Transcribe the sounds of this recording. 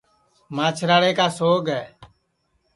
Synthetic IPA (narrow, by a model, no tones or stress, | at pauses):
maːt͡ʃʰɾaːɽeːkaːsoːɡɛː